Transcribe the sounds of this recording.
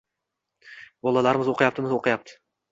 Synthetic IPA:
bɒlˠalaɾɪmɪzoqʰɨjap̚t̪ɪmɪzoqʰɨjap̚t̪ʰɪ̥

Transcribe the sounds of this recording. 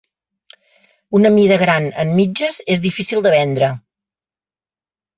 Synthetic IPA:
unəmiðəɣɾanə̰mmid͡ʒəzezðifisilˠd̪əβɛnd̪ɾə

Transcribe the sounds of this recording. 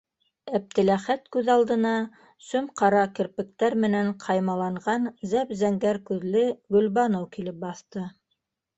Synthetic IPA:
æp̚t̪ɘ̆læχæt̪kʉðɑlˠd̪ɤ̆nɑ | sɵmqɑɾɑkɘ̆ɾpɘ̆k̚t̪æɾmɘ̆næɴqʰɑjmɑlˠɑɴɢɑnzæpzæŋɡæɾkʉðlɘɡɵ̆lβɑnowkilɘp̚bɑθt̪ɤ

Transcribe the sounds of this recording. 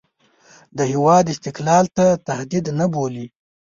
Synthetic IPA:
d̪əhɪwɑd̪ɪst̪ɪklɑlt̪at̪ahd̪id̪naboli

